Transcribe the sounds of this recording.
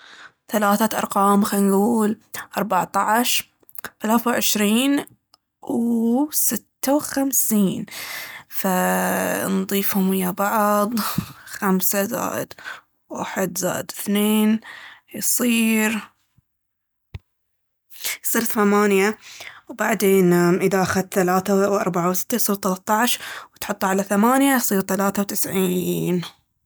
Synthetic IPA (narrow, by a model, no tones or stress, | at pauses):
θalaːθaʔɑ̰ɾˤqɑːmxanɡuːlʔɑɾˤbɑʕt̪ˤɑʕʃ | θalaːθawʕɪʃɾiːn | wsɪt̪ːawxamsiːn | fa | nðˤiːfhʊmɪjːabɑʕðˤxamsaza̰ːʔɪ̰d̪̥ | wa̰ħɪd̪za̰ːɪd̪ɪθneːnjsˤiːɾ | jsˤiːɾθamaːnjawbaʕd̪eːnamʔɪðaʔaxad̪θalaːθawʔɑ̰ɾˤbaʕawsɪ̥t̪ːajsˤiːɾt̪ɑlɑt̪ˤːɑʕʃwt̪ħʊt̪ˤːʕalaθamaːnjajsˤiːɾt̪alaːθawt̪ɪsʕiːn